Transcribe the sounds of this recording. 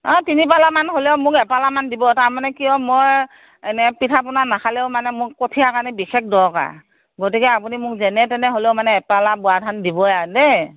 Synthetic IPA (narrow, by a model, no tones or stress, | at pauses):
ɔ̃tinipalamanɦolɛʊmʊkɛpalamandibɔtaɹmanɛkijɔ̃moj | ɛnɛpitʰapʊnanakʰalɛʊmanɛmʊkkotʰijakanibixek̚dɔɹka̰ | ɡotikɛapunimʊk̚zɛnɛtɛnɛɦolɛʊmanɛːpalabʊadʰʱandibɔjadɛ